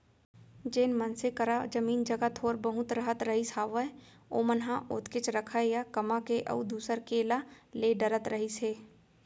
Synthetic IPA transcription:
d͡ʒeːnmənsekəɾad͡ʒəmiːnd͡ʒəɡat̪ʰoːɾbəɦʊ̃t̪ɾəɦət̪ɾəɦisaːʋə | o̰ːmənɦãʔʊt̪kɪt͡ʃɾəkʰəjakɐmakeʔə̰ud̪uːsəɾkeːlaleːɖəɾət̪ɾəɦiseː

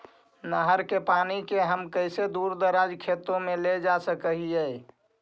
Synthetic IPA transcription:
nəɦəɾkepanikeɦəmkəɪsed̪uɾd̪əɾad͡ʒkʰet̪õmeled͡ʒasəkəɦijə

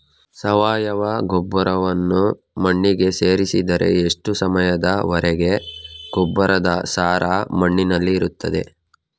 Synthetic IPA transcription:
sɐʋaːjɐʋɐɡɔbːɐɾɐʋɐnːu | mɐɳːiɡe̞se̞ːɾisid̪ɐɾʔe̞̰eʂʈusɐmɐjɐd̪ɐʋɐɾɛɡe̞ɡ̥ɔbːɐɾɐd̪ɐsaːɾaːmɐɳːinɐlːiːɾut̪ːɐd̪e̞̰

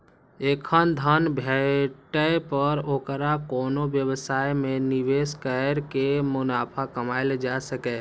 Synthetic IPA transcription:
ekʰənd̪ʱənbʱɛʈəjpəɾokɾakɔːnobjəbsajmẽniʋeskəɾkemʊnaːpʰakəmaɪld͡ʒasəkɛ

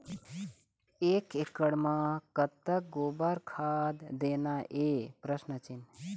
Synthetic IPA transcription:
eːkekəɽmãːkət̪ːək̚ɡoːbaɾkʰaːd̪d̪eːnaʔeːpɾəsnət͡ʃɪn

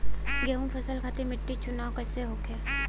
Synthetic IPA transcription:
ɡeːũpʰɐsəlkʰaːt̪emɪʈːit͡ʃʊnaːwkɐseɦoːkʰɛː

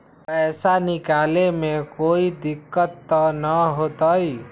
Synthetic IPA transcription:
pəjsanikalemekoid̪ikːət̪ːənəɦot̪əj

